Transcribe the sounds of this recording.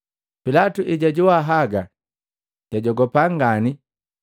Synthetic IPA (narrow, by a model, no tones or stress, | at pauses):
pilatuʔiɟaɟuwaɦaɡa | ɟ̥aɟɔɡɔpaŋɡani